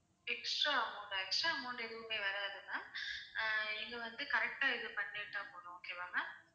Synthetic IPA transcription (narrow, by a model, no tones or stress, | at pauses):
ɛksʈɾaːɐmuːɳɖaɛksʈɾaːmuːɳɖɛðɯʋɯmeːʋɐɾaːðɯnaː | ɪŋɡɐʋɐnd̪ɯkɐɾɛk̚ʈaːɪðɯpɐnːeːʈːaːpoːɳʊ̃oːkeːʋaːŋɡɐ